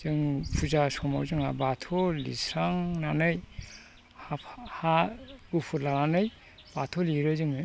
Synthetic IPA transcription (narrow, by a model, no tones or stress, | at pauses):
z̥ɯŋpʰuzasɔma̰wzɯŋa̰batʰɔlḭsɾaŋnanɯj | hahaɡupʰɯɾlananɯj | b̥atʰɔliɾɯzɯŋɯ